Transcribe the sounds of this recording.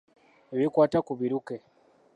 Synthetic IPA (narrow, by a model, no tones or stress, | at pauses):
βikwatakuβiɾukɛ